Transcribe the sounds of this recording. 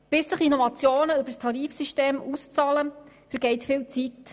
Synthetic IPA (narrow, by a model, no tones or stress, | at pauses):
b̥ɪsːəχinɔvɑt͡sjoːnəøbərstʰɑɾiːfsiʃteːmust͡sɑləfəɾɡɛɪtfɪlt͡sit